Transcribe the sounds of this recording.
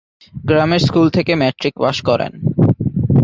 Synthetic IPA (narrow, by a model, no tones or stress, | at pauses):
ɡɾameɾskult̪ʰekemɛʈɾikbaʃkɔɾḛn